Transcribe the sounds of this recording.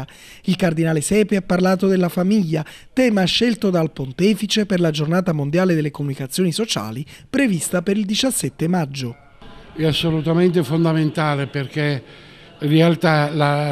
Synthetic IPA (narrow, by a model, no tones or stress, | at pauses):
ilkard̪inaːlesɛːpeapːaɾlaːt̪od̪elːafamiʎːat̪ɛːmaɛʃːelt̪od̪alpont̪ɛːfit͡ʃeperlad͡ʒornaːt̪amond̪jaːled̪elːekomunikat̪sːjoːnisot͡ʃa̰ːlipɾevist̪apeɾild̪it͡ʃasːɛt̪ːemad͡ʒːo | ɛasːolut̪ament̪efond̪ament̪aːleperke | ĩrealt̪ala